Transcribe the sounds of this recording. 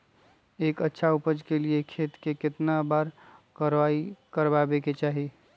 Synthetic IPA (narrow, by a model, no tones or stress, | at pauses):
eːkətːʃʰaʊpəd͡ʒkeliekʰeːt̪kekɪt̪nabaːɾkəɾʋaːikəɾbaːbeket͡ʃaːɦi